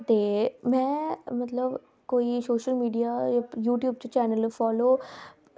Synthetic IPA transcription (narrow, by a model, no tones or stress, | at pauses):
t̪eːmɛ̃ːmət̪ləb | koːisoːʃəlmiːɖijaːjajuːʈjuːb̚t͡ʃt͡ʃɛːnəlfɔːloː